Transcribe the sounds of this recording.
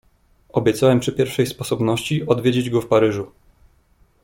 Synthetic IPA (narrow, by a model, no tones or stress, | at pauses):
ɔbʲjɛt̪sawɛmpʂɘpʲjɛɾfʂɛjspɔsɔbnɔɕt͡ɕiɔd̪vʲed͡ʑed͡ʑɡɔfpaɾɘʐu